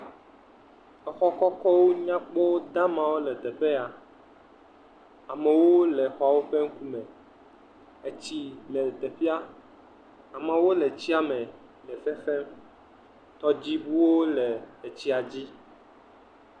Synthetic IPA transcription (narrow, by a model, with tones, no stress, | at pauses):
ɛ˨xɔ˦kɔ˦kɔ˦wo˦ɲã˦k͡po˦wo˦d̪ã˦mã˨wo˦lɛ˨t̪e˨ɸe˦a˨ | a˨mɛ̃˨wo˦lɛ˨xɔ˨˦a˨wo˦ɸe˦ŋ̩˦ku˦mɛ̃˨ | e˦t͡ɕi˦lɛ˨t̪e˨fi˦a˦ | a˨mã˨wo˦le˨t͡ɕi˦a˨mɛ̃˨ | lɛ˨fe˦fɛ˦m | t̪ɔ˦d͡ʑi˦bu˦wo˦le˨e˨t͡ɕi˦a˨d͡ʑi˦